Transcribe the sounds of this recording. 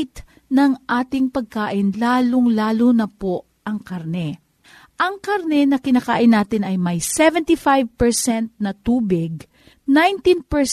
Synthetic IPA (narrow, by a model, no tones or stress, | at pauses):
t̪ | nɐŋʔaːt̪ɪŋpɐɡ̚kaːʔɪnlaːloŋlaːlonɐpo | ʔɐŋkaɾnɛ | ʔɐŋkaɾnɛnɐkɪnaːka̰ːʔɪnːaːt̪ɪnɐjmɐjsɛvɛnt̪ifajvpɛɹsɛnt̪̚nɐt̪uːbɪɡ̚ | najnt̪inpɛɹ